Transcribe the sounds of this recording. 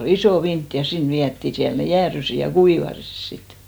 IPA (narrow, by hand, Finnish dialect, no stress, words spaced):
ol isoˑ ʋint jɑ sin ʋiætːi siæl ne jæːrysi jɑ kuiʋɑsis sit